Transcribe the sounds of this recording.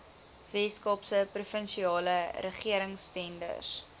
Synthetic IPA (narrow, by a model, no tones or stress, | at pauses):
vɛskɑpsəprufənʃiɑːləɾəχiəɾəŋstɛndə̰s